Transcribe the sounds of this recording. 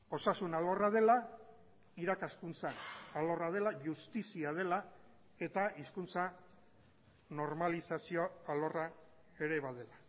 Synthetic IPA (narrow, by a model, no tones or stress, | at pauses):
o̞sasunalo̞rað̞e̞la | iɾakaskunt͡saːlo̞rað̞e̞laʝust̪isiað̞e̞la | e̞t̪aiskunt͡sa | no̞ɾmalisasio̞alo̞ra | e̞ɾe̞βaðe̞la